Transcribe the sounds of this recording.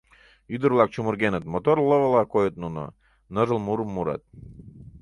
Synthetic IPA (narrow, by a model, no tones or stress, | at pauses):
yd̪əɾlˠɑk̚t͡ɕumuɾɡenət̪mot̪orləβə̆lɑkojət̪̚nuno̰ | nəʒəlmuɾəmːuɾɑ̰t̪̚